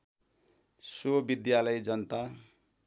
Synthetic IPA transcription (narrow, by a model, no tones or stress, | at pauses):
sobid̪jalʌjd͡zʌnt̪a